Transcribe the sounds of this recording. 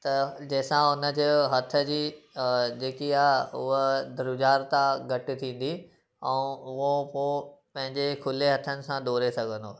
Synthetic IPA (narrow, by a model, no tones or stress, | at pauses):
t̪ɐd͡ʑɐɦɪsãʊnə̆d͡ʑeɦɐt̪ʰə̆d͡ʑiː | d͡ʑeːkiaːɦʊɦəd̪ɾʊd͡ʑaːɾt̪ãɡʱɐʈɪ̆t̪ʰĩːn̆d̪i | ɛ̃ũʊɦopoːpɐ̃ɦɪ̃ɲd͡ʑekʰʊleɦɐt̪ʰənɪ̆sãd̪oːɾesɐɡʱə̃nd̪oː